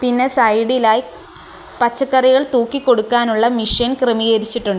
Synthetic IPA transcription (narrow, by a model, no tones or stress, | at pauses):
pinːe̞sɐjɽilaːji | pɐt͡ɕːɐkːɐriɣɐɭt̪uːkːikːo̞ɽukːaːnuɭːɐmiʂjɐnkremijɐɾit͡ɕːiʈːuɳɖɨ